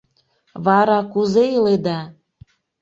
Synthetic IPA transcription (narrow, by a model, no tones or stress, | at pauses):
βɑɾɑkuzeiled̪ɑ